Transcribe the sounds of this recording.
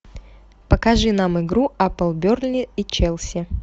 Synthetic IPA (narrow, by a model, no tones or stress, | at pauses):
pəkɐʐɨnamɪɡɾuʔapəlˠbʲorlʲɪit͡ɕelˠsʲɪ